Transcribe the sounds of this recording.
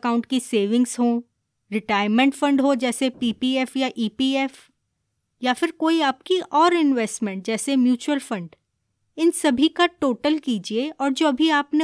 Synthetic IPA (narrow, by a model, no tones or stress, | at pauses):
kaːʊ̃ɳʈ̚kiseːʋɪ̃ŋɡz̥ɦo | ɾɪʈaːɪɾmə̃ɳʈfɐ̃ɳɖɦod͡ʒɛːsepiːpiɛfjaʔiːpiːɛf | jafɪɾkoːiaːp̚kiʔɔːɾɪnʋɛːsʈmɛ̃ɳʈ̚d͡ʒɛːsemjuːt͡ʃuwəlfɐ̃ɳɖ | ɪnsɐbʱikaʈoːʈəlkiːd͡ʒieɔːɾd͡ʒoːɐbʱiaːpne